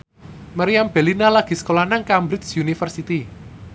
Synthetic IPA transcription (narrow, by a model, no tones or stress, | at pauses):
maɾiamb̥elinalaɡ̥i̤sə̥kolanaŋkambɾɪt͡ʃsjunifərsit̪i